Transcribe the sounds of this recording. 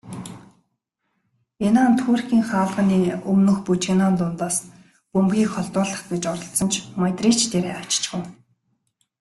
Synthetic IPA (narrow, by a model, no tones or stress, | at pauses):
enaːnt̪ʰuːrkʲiːŋχaːɮʁə̆niːɵmnɵ̆xput͡ɕinɔnt̪ʊnt̪aːs | pɵmpɣʲiːkχɔɮt̪ʊːɮə̆χɡet͡ɕɔɾə̆ɬt͡sɞ̆nt͡ɕʰmat̪rit͡ɕt̪ʰeɾeːḁt͡ɕt͡ɕɡuw